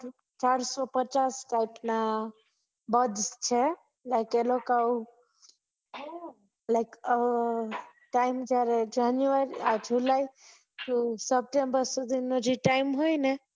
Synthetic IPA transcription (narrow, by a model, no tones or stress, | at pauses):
t͡ʃaɾsɔpət͡ʃasʈajpna | bəd̪st͡ʃʰɛ | laɪkelokau | laɪk | ʈaɪmd͡ʒaɾed͡ʒanjuəɾiad͡ʒʱulaj | t̪usəp̚ʈẽmbəɾsɔd̪inod͡ʒiʈaɪmɦojnɛ